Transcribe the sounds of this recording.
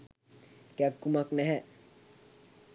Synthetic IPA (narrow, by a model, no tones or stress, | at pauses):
kjaɡumaknɛɦɛ